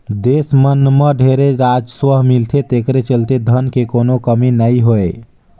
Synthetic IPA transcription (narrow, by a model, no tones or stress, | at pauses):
d̪esmənːməɖʱeɾeɾad͡ʒswəɦmilt̪ʰet̪ekɾet͡ʃəlt̪ed̪ʱənkekonokəminəjɦoe